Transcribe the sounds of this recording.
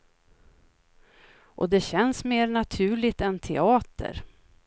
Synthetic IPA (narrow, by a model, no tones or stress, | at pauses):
ʔɔ̰d̪ɛɕɛnsmeːɾnat̪ʰʉ̟ːɭɪt̪ɛnt̪ʰɛɑːt̪ʰə̰ɾ